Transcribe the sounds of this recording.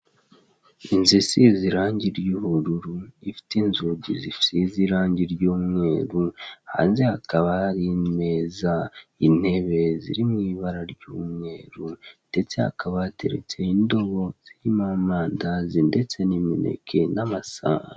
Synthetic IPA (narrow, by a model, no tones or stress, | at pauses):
inzisiziɾaːɲɟiɾjuhuɾuɾuifi̥tinzuɟizifi̥siziɾaːɲɟiɾɟuːmŋe̞ːɾuha̰ːnzehakaβaaɾime̞zain̥he̞βe̞zḭɾimŋiːβaɾaɾɟuːmŋe̞ːɾund̥e̞t͡se̞ha̰kʰaβatʰe̞̰ɾḛt͡se̞indo̞βo̞z̥iimamaːndazinde̞t͡se̞nimine̞̰kʰe̞namasa̰h